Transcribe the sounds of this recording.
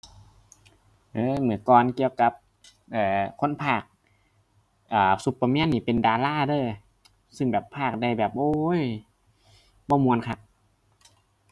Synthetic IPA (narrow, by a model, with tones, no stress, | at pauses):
ʔɤː˧˦mɯ˩˦əkɔː˧nki˧əwka˧˦p̚ | ʔaː˨˩kʰo˧˥˨npʰaː˧˥˩k̚ | ʔaː˨˩su˧˦pːa˧mɛː˧˥˨nːiː˧˩pe˨ndaː˨˧laː˧˥˩dɤː˧˩ | sɯ˧˩ŋbɛː˨˩pʰːaː˧˥˩k̚da˧˩jbɛː˨˩p̚ʔoː˧˩j | bɔː˧˩mu˧ənkʰa˧˩p̚